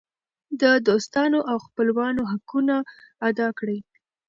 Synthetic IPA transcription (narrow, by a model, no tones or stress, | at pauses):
d̪əd̪ost̪ɑnoʔawxpəlwɑnoɦakunaːd̪ɑkɽəj